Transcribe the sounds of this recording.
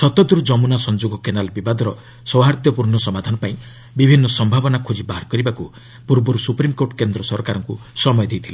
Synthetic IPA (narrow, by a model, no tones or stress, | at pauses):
sɔt̪ɔd̪uɾd͡ʒɔmunasɔnd͡ʒuɡɔkenalbibad̪ʱɔɾɔ | sɔwɦaɾt̪jɔpuɾnɔsɔmad̪ʱanɔpaĩ | bibʱinːɔsɔmbʱabɔnakʰud͡ʒibaɦaɾkɔɾibaku | puɾbɔɾusupɾimkoʈkend̪ɾɔsɔɾɔkaɾɔŋkusɔmɔjɔd̪ʱejt̪ʰile